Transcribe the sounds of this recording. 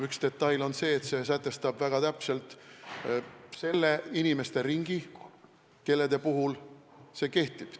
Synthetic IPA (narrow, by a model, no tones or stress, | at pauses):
ykst̪e̞t̪ːɑjlo̞nse̞ːt̪se̞s̬æt̪ːˑe̞st̪ɑbvæɡ̥ɑt̪æpse̞lt̪ˑ | se̞lːe̞inime̞st̪e̞ɾiŋɡ̥i | ke̞lːed̪e̞puɦul | se̞ːke̞ht̪ib̥